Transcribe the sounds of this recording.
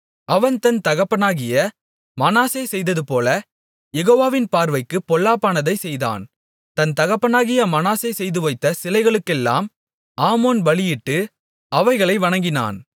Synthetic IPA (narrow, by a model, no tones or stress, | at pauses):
ʔɐʋɐnt̪ɐnt̪ɐɣɐpːɐnaːɣɪjɐ | mɐnaːseːsɛjðɐðɯpoːlɐ | jɛɣoːʋaːʋɪnpaːɾʋɐɪkːɯpːɔlːaːpːaːnɐðɐɪsɛjða̰ːn | t̪ɐnt̪ɐɣɐpːɐnaːɣɪjɐmɐnaːseːsɛjðɯʋɐɪt̪ːɐsɪlɐɪɣɐɭɯkːɛlːa̰ːm | ʔaːmoːnʋɐɭɪjɪʈːɯ | ɐʋɐɪɣɐɭɐɪʋɐɳɐŋɡɪna̰ːn